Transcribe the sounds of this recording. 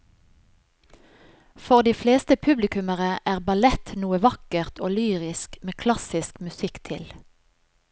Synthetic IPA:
fɔʁd̪iːfleːst̪əpʰʉblɪkʉməʁəʔæːʁbɑlɛt̪nuːəʋɑkəʁt̪ʰoːlyːʁɪskmeːkʰlɑsɪskmʉsɪkt̪ʰɪl

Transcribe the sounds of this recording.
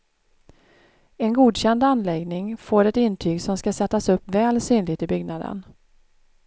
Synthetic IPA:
ɛnɡuːd̪ɕɛnd̪anlɛɡnɪŋfoːɾɛt̪ɪnːt̪ʰyːɡsɔmskasɛt̪ːasɵpːvɛːlsyːnlɪɡt̪ɪbʏɡnad̪ə̰n

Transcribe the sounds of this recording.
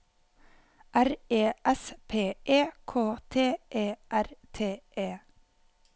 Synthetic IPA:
ʔæɾeːʔɛspʰeːʔeːkʰoːt̪ʰeːʔeːʔæɾt̪ʰeːʔeː

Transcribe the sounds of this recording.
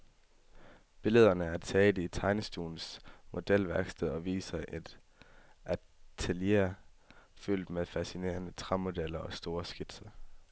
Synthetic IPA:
b̥e̝ləð̞̰ˠɐnəæɐt͡sʰɛːd̥əit͡sʰɑ̈ɪnəsd̥ṵːln̩smo̝d̥el̰ʋæɐɡ̥sd̥eðˠɒ̽ʋḭːsɐʔed̥ | æt͡sʰeljḛɐ | fyl̰d̥meðˠfæsine̝̰ːɐnət͡sʰʁɑ̈mo̝d̥el̰ɐʔɒ̽sd̥o̝ːɐsɡ̥ed̥sɐ

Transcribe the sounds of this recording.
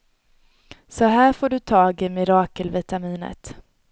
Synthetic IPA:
sɔɦæːɾfoːɖɵt̪ʰɑːɡɪmɪɾɑːkəlvɪt̪amiːnə̰t̪

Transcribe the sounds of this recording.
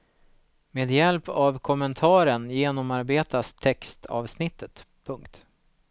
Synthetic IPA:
meːd̪jɛlpavkʰɔmːənt̪ʰɑːɾəɳjeːnɔmaɾbeːt̪ast̪ʰɛkst̪ʰɑ̰ːvsnɪt̪ːət̪ | pʰɵŋkt̪

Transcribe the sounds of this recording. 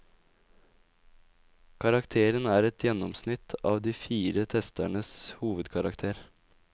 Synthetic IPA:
kʰɑɾɑkt̪ʰeːɾənæːɾɛt̪jɛnɔmsnɪt̪ʰɑːʋd̪iːfiːɾət̪ʰɛst̪æɳəshuːʋəd̪kʰɑɾɑkt̪ʰeːɾ

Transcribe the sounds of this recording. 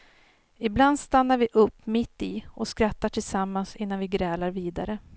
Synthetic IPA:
ɪbland̪st̪anːaɾvɪʔɵpːmɪt̪ːɪʔɔskɾat̪ːaʈʰɪlsamːansɪnːanvɪɡɾɛːlaɾviːd̪a̰ɾə

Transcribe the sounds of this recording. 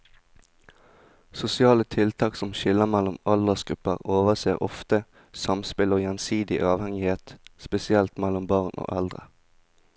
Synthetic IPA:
sʊsɪɑːlət̪ʰɪlt̪ʰɑːksɔmʃɪləmælɔmɑld̪əsɡ̥ʁʉpə̰ʁoːʋəʁseːʁɔ̰ft̪ə | sɑmspɪloːjɛnsiːd̪ɪʔɑːʋhɛŋɪheːt̪spɛsɪɛlt̪mælɔmbɑʁnʔo̰ːʔɛld̪ʁə̰

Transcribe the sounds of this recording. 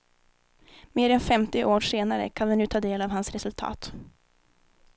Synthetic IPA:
meːɾɛnfɛmt̪ɪʔoːʂeːnaɾə̰kʰanvɛnʉ̟ːt̪ʰɑːd̪eːlavhansɾɛsɵlt̪ʰɑ̰ːt̪

